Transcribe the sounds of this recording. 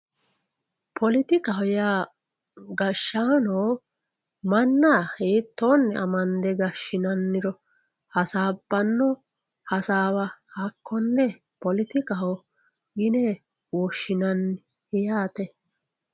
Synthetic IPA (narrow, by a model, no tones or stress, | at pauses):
pʰɔlɪt̪ɪkɐhɔja | ɡɐʃːaːnoː | mɐnːaheːt̪ːoːnːɛɐmɐnd̪ɛɡɐʃɪnɐnːɪɾɔ | hɐsaːbːɐnːɔ | hɐsaːwɐhɐkːɔnːɛ | pɔlɪt̪ɪkɐhɔ | ɡɪnɛ | wɔʃːɪnɐnː | hɛjaːt̪ɛ